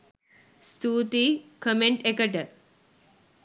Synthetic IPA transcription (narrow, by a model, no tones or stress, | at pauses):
st̪uːt̪ikəmeɳʈekəʈəɾ